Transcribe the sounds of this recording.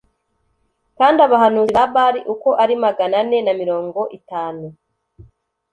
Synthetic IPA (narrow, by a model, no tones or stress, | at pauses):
kaːndaβaɦanuːβaβaɾiʔuko̞ʔaɾimaɡanane̞namiɾo̞ːŋɡo̞ʔitaːnu